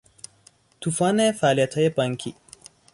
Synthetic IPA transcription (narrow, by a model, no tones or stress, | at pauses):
t̪ufanefaːlijɐt̪ʰɐjepɐŋkʰḭ